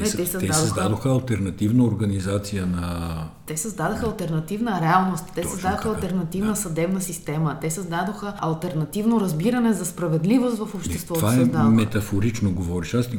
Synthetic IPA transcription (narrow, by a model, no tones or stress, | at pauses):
ɛt̪ɛsɐzd̪ad̪oɐzd̪ad̪oxəɐlˠt̪ɛɾnɐt̪ivnəoɾɡɐnizat̪sijənɐt̪ɛsəzd̪ad̪oxəɐlˠt̪ɛɾnɐt̪ivnəɾɛalˠnost̪ːɛsɐzd̪ad̪oxəɐlˠt̪ɛɾnɐt̪ivnəsɐd̪ɛbnəsist̪ɛmət̪ɛsəzd̪ad̪oxəɐlˠt̪ɛɾnɐt̪ivnoɾɐzbiɾɐnɛzɐspɾɐvɛd̪livost̪vɐfopʃt̪ɛsvɔt̪vaɛzd̪amɛt̪ɐfoɾit͡ʃnoɡovɔɾiʃast̪i